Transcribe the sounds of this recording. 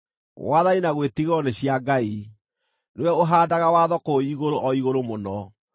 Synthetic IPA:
waðainaɣwetiɣɔneɕjaɡai | newɛoɦaːdaɣawaðɔkoiɣoɾoʔɔiɣoɾomonɔ

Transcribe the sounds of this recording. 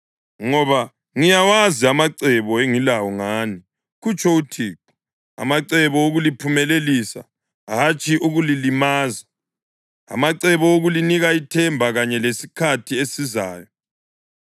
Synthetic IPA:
ŋɔβa | ŋijawaziamaǀɛβɔeŋilawɔŋaːni | ɣut͡ʃʼʰɔutʰiːǁu̥ | a̰maǀɛβɔoɣulipʰumɛlelisa̰ | ɦat͡ʃʼiʔuɣulilimaːza | a̰maǀɛβɔoɣuliniɣaitʰɛmbʱaɣaɲɛlesi̥kʰatʰiesizaːjɔ

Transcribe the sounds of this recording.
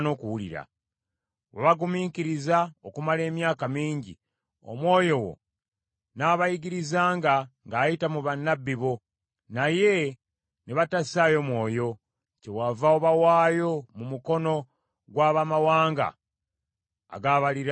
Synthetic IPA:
no̞ːkuwuliɾa̰ | waβaɡumiːkiɾizaokumale̞ːmjaːkamiːɲɟḭ | o̞̰mwo̞ːjo̞wo̞̰ | naːβajiɡiɾizaːŋɡaŋɡaːjitamuβanːabːiβo̞ | naje̞ | neβatasaːjo̞mwo̞ːjo̞ | cewavaoβawaːjo̞mumuko̞no̞ | ɡwaːβamawaːŋɡa̰ | ɡaːβaliɾ

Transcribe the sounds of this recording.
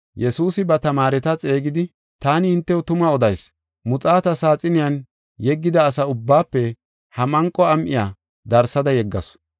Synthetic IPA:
jɛsuːsɪbɐt̪ɐmaːɾɛt̪ɐt͡sʼe̞ːɡɪd̪ɪ | t̪aːnɪhɪnt̪ːɛwɔt̪ʊmɐɔd̪ɐjs | mʊt͡sʼaːt̪ɐsaːt͡sʼɪnɪjɐn | jɛɡːɪd̪ɐːsɐʊbːaːpːɛ | hɐmɐŋkʼːɔɐmʔɪja̰ː | d̪ɐɾsɐd̪ɐjɛɡːɐs

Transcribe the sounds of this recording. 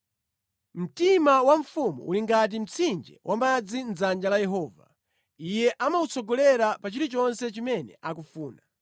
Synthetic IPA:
m̩timawaɱfumṵuliŋɡat̬im̩t͡sʰind͡ʒɛ̰wamad͡zind͡zand͡ʒalajɛɦɔːva̰ | ijɛʔamaut͡sʰɔɡɔlɛɾapat͡ʃiɾit͡ʃɔnsɛt͡ʃimɛnɛ̰ʔak̬ufuːna

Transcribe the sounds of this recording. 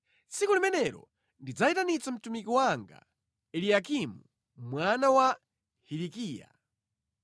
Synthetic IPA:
t͡sikulimɛnɛɾɔ̰ | ndid͡zaitanit͡sam̩tumikiwaŋɡa̰ | ɛlijakimu | mwanawa | hiɾikiːja̰

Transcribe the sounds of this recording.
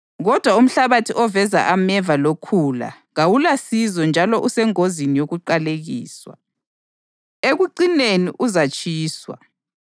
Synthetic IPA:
ɣɔd̥ʱwaum̩ɬaβatʰiʔɔvɛza̰ʔamɛvalokʰuːla̰ | ɣawulasizɔnd͡ʒʱalɔʔusɛŋozinijoɣuǃaleɣḭːswa̰ | eɣuǃineniʔuzat͡ʃʼiːswa̰

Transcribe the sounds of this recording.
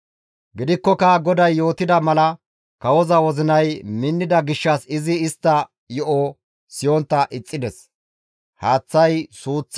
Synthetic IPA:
ɡɪd̪ɪkːɔkɐɡɔd̪ɐjːo̞ːt̪ɪd̪ɐmɐlɐ | kɐwɔzɐwɔzɪnɐjmɪnːɪd̪ɐɡɪʃːɐsɪzɪːst̪ːɐ | jɔʔɔ | sɪjɔnt̪ːɐʔɪt͡sʼːɪd̪ɛs | haːt͡sːɐjsuːt͡sː

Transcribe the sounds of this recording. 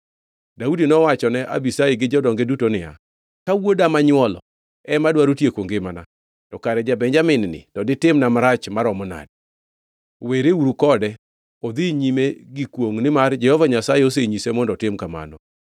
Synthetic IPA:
daudinɔwat͡ʃɔnɛʔa̰bisajiɡɪd͡ʒɔdɔŋɡedutonɪja̰ | kawodamaɲwɔlɔ̰ | ɛmadwaɾotjekwoŋɡemana | tɔkaɾɛd͡ʒabɛɲd͡ʒamɪnnɪ̰tɔdɪtɪmnamaɾat͡ʃmaɾɔmɔna̰d̚ | weɾeuɾukɔdɛ | od̪iɲimeɡikwoŋnɪmard͡ʒɛhɔvaɲasajeos̬eɲisemɔndɔtɪmkama̰nɔ

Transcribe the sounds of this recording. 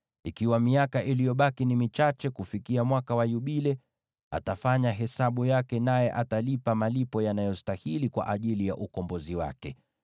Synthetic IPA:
ikiwamiakaʔilijɔɓakinimit͡ʃat͡ʃɛkufikiamwakawajuɓilɛ | a̰tafaɲaɦɛsaɓujakɛnajɛʔatalipamalipɔjanajɔstahilikwa̰ʔaʄilija̰ʔukɔmbɔziwa̰kɛ

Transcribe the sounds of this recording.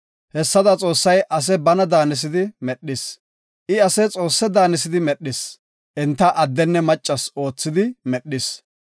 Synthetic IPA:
hɛsːɐd̪ɐt͡sʼo̞ːsːɐjʔɐs̬ɛbɐnɐd̪aːnɪs̬ɪd̪ɪmɛɗːɪs | ʔɪɐsɛt͡sʼo̞ːsːɛd̪aːnɪsɪd̪ɪmɛɗːɪs | ʔɛnt̪ːɐʔɐd̪ːɛnːɛmɐt͡ʃʼːɐso̞ːt͡sːɪd̪ɪmɛɗːɪs

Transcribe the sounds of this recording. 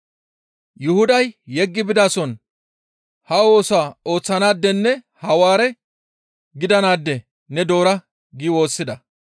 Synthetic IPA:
jʊhʊd̪ɐjːɛɡːɪbɪd̪aːsɔn | hɐo̞ːsʊaːo̞ːt͡sːɐnaːd̪ːɛnːɛ | hɐwaːɾɛ | ɡɪd̪ɐnaːd̪ːɛ | nɛd̪o̞ːɾɐ | ɡiːwo̞ːsːɪd̪ɐ

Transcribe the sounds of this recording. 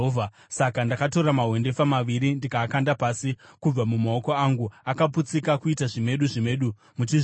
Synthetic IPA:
a | sakandakato̞ɾamaɦwe̞nde̞famaʋiɾindikaːkandapaːsikub͡vamumao̞ko̞aŋɡuakaput͡sikakuitaʐime̞ɗuʐime̞ɗu | mut͡ʃiʐ

